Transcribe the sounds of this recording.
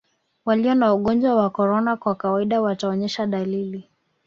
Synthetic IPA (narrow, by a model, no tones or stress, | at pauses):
waliɔnauɠɔnd͡ʒwawakɔɾɔnakwakawaiɗawataɔɲɛʃaɗalili